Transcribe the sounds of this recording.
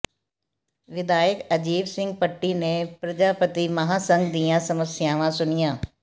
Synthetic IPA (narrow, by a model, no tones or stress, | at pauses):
ʋɪd̪aːjəkɐd͡ʒiːʋsɪ̃ŋɡ̚pəʈːinẽpɾɐd͡ʒaːpət̪imɐɦaːsə̃ŋɡd̪ijãsɐməsjaːʋãsʊnɪjãː